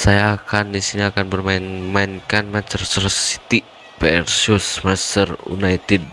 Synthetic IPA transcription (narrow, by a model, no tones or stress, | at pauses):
sajaːkandisiniakanbərmaɪnmaɪnkanmant͡ʃərsərsi̥t̪i | pɛɛrsusmast̪ərṵnait̪id̚